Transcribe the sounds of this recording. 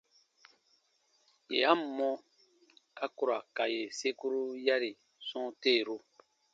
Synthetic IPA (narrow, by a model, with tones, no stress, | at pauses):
jḛ˨ja˦m̩˨mɔ̃˦ | ka˦ku˨ɾa˨ka˨je˨se˦ku˦ɾu˦ja˦ɾi˨ | sɔ̃˦teː˦˨ɾu˦